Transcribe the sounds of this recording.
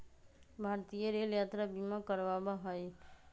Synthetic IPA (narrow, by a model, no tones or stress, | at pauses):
bʱaɾt̪ijəɾeljat̪ɾabimakəɾʋabəɦəj